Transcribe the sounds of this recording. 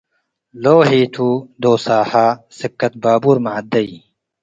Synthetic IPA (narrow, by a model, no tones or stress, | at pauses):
loːɦiːt̪ʰuːd̪oːsaːhaːsikːɐt̪̚baːbuɾmaʕad̪ɐi